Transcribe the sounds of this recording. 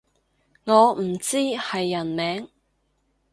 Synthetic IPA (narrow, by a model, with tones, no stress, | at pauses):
ŋɔː˨˧m̩˨˩t͡siː˥hɐ˨jːɐ˨˩nmɛː˨˥ŋ